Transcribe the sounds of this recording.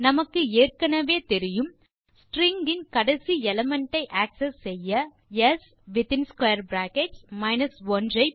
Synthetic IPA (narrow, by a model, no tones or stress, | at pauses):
nɐmɐkːɯeːrkɐnɐʋeːt̪ɛɾɪjɯm | sʈɾɪŋɡɪnkɐɽɐsiɛlɐmɐɳʈːɐɪʔaːksɐsːɛjːɐ | jɛs | ʋɪt̪ɪnskwɐjɐɾbɾaːkeʈsmɐɪnɐsʋɔndrɐɪ